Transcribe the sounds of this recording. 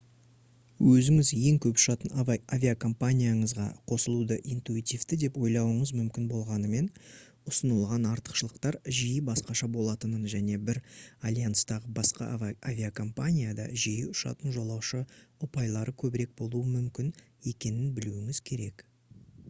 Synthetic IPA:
wʔɵzɪŋɪzje̞ŋkʲʰɵpʊ̥ʃɑt̪ənavʲiakʰo̞mpanʲijaɴəzʁɑ̰qʰo̞səlˠud̪əʔint̪uit̪ijvt̪ɪd̪e̞pwo̞jlˠɑwəɴəzmʏmkʲɪnbo̞lˠʁɑnəme̞n | ʊsənəlˠʁɑnɑɾt̪ə̥qʃəlˠəqt̪ɑɾʒijɪbɑsqɑʃɑbo̞lˠɑt̪ənənʒæne̞bɪɾalʲjanst̪ɑʁəbɑsqɑ̰avʲiakʰo̞mpanʲijad̪ɑ̰ʒijɪʊʃɑ̰t̪ənʒo̞lˠɑwʃəʊpɑjlˠɑɾʔəkʲʰɵbɪɾe̞k̚bo̞lˠuəmʏmkʲɪn | e̞kʲe̞nɪnbɪluɪŋɪz̥kʲʰe̞ɾe̞k

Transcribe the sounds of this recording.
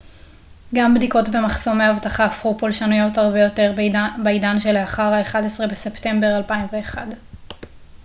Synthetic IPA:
ɡambdiko̞tbe̞maχso̞meahavtaχaːfχupolʃanujo̞thaʁbe̞jo̞te̞ʁbaidanʃe̞leaχaʁaeχadesʁebese̞pte̞mbe̞ʁalpaimve̞ːχad

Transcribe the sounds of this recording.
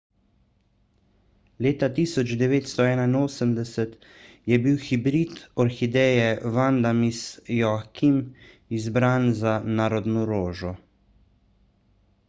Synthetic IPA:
leːt̪at̪iːsɔd͡ʒd̪ɛʋeːt̪st̪ɔɛːnainoːsəmd̪ɛsɛt̪ | jɛbiwxibɾit̪ɔɾxid̪ɛːjɛʋand̪amisjɔakim | izbɾaːnzanaːɾɔd̪nɔɾoːʒɔ

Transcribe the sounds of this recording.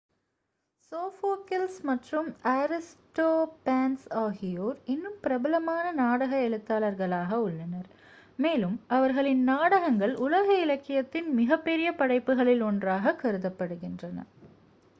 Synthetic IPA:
soːfoːkɪlsmɐʈrɯmɐɾɪsʈoːpaːnsaːɣɪjoːɾɪnːɯmpɪɾɐbɐlɐmaːnɐnaːɽɐɣɐɛɻɯt̪ːaːlɐɾɣɐɭaːɣɐʊɭːɐnɐɾ | meːlɯmɐʋɐɾɣɐɭɪnnaːɽɐɣɐŋɡɐɭʊlɐɣɐɪlɐkːɪjɐt̪ːɪnmɪɣɐpːɛɾɪjɐpɐɽɐɪpːɯɣɐɭɪlɔndraːɣɐkːɐɾɯðɐpːɐɽɯɣɪndrɐnɐ̰

